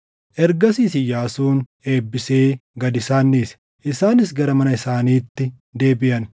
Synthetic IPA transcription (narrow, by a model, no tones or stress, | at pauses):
ʔɛɾɡɐsiːsɪjaːsuːn | e̞ːbːɪse̞ːɡɐd̪ɪsaːnːeːs | ʔɪsaːnɪs̬ɡɐɾɐmɐnɐɪsaːniːt̪ːɪ | d̪e̞ːbɪʔɐn